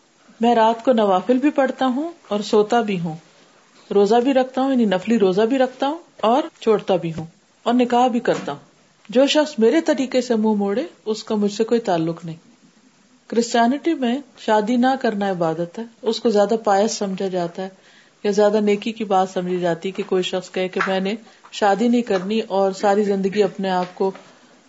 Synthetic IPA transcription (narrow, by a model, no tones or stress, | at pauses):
mɛ̃ːɾaːt̪konɐʋaːfɪlbʱipɐɽt̪aɦũɔːɾsoːt̪abʱiɦũː | ɾoːzabʱiɾɐkʰt̪aɦũjɐninɐfliɾoːzabʱiɾɐkʰt̪aɦũɔːɾt͡ʃʰoːɽt̪abʱiɦũː | ɔːɾnɪkaːɦbʱikɐɾt̪aɦũː | d͡ʒoːʃɐxsmeːɾet̪ɐɾiːkesemũmoːɽeʊskamʊd͡ʒʱsekoːit̪aːlːʊknɐɦĩː | kɾɪsʈjɛːnɪʈimẽʃaːd̪inɐkɐɾnaɪbaːd̪ət̪ɦɛːʊskozjaːd̪apaːjəsːɐ̃md͡ʒʱad͡ʒaːt̪aɦɛ | jazjaːd̪aneːkikibaːt̪sɐ̃md͡ʒʱid͡ʒaːt̪iɛkekoːiʃɐxskɐɦekemɛ̃ːne | ʃaːd̪inɐɦĩkɐɾniʔɔːɾsaːɾizɪ̃nd̪əɡiɐpneaːp̚ko